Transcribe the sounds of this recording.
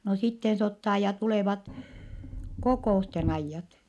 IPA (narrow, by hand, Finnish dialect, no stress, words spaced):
no sitːen se otːɑː jɑ tuleˑʋɑt kokoˑusten ɑijːɑt